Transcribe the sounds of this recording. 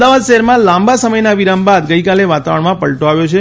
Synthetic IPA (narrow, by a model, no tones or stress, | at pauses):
d̪aʋad̪ʃəɦɛɾmãlãmbasəməjnaʋiɾambad̪ɡəikaleʋat̪aʋəɳmãpəɭʈoaʋjot͡ʃʰe